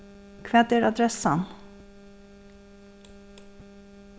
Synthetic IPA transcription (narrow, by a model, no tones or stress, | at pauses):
kʰʋɛːd̪eːɾɑd̪ɾɛsən